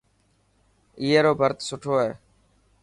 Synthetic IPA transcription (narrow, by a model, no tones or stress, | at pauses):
iːɦeːɾoːbʱəɾt̪sʊʈʰoːɦeː